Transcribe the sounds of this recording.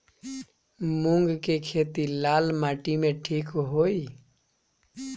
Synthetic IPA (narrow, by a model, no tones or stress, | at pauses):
mũŋɡkekʰeːt̪ilaːlmaːʈimẽʈʰiːkɦoːiː